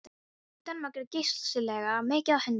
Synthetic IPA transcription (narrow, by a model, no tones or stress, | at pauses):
t̪anmakɪɾcejst̪sʏlɛːɣamɛːcɪaðhɛn